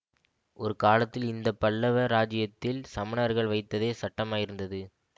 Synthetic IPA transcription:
ʔɔɾɯkaːlɐt̪ːɪlɪnd̪ɐpːɐɭːɐʋɐɾaːd͡ʒɪjɐt̪ːɪlsɐmɪnɐɐɾɣɐɭʋɐɪt̪ːɐðeːsɐʈːɐmaːjɪɾɯnd̪ɐðɯ

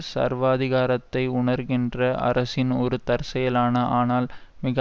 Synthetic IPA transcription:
sɐ̰ɾʋaːðɪɣaːɾɐt̪ːɐɪʊɳɐɾɣɪndrɐʔɐ̰ɾɐsɪnɔɾɯt̪ɐɾsɐjɐlaːnɐʔaːnaːlmɪɣɐ

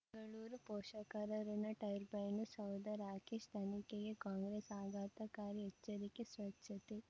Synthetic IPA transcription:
ɐŋɡɐɭuːɾupɔːʃɐkɐɾɐɾɐnɐʈɐjɾbɐjnusɐwd̪ɐɾaːkeʃt̪ʰɐnikeɡekaːŋɡɾesaːɡaːt̪ɐkaːɾiɛt͡ʃːɐɾikesʋɐtʃɐt̪e

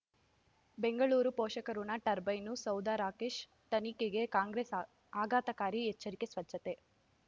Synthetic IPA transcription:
be̞ŋɡɐɭuːɾupɔːʃɐkɐɾunɐʈɐɾbɐjnusɐwd̪aɾaːkeːʃ | t̪ɐnikeɡe̞kaːŋɡɾeːs | aːɡaːt̪ɐkaːɾiɛt͡ʃːɐɾike̞sʋɐt͡ʃːɐt̪e̞

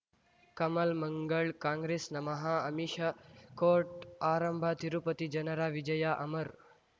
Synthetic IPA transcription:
kɐməlməŋɡəɭkãŋɡɾesnɐmɐɦaɐmiʃɐkoʈaːɾəmbʱat̪iɾupət̪id͡ʒɐnəɾaʋid͡ʒɐjaʔɐməɾ

